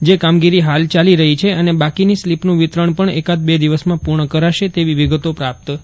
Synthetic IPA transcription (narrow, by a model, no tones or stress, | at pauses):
d͡ʒekamɡiɾiɦalt͡ʃaliɾəɦit͡ʃʰeənebakinislipnũʋit̪ɾəɳpəɳekad̪̚bed̪iʋəsmãpuɾɳəkəɾaʃet̪eʋiʋiɡət̪opɾap̚t̪